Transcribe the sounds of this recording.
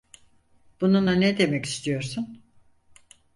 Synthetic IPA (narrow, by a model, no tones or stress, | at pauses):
b̥ununanɛd̪e̞mɛci̥st̪ʰijo̞ɾsun